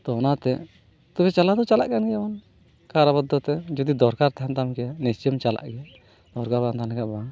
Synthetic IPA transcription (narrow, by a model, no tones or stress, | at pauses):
t̪ɔnat̪ɛ | t̪ɔbɛt͡ʃalad̪ɔt͡ʃala̰ʔkanɡɛaban | kaɾabɔd̪ːɔt̪ɛd͡ʒɔd̪id̪ɔɾkaɾt̪ɛɦant̪amkɛjanɛst͡ʃəmt͡ʃala̰ʔɡɛ | d̪̥ɔɾkaɾbant̪anlɛɡaʔbaŋ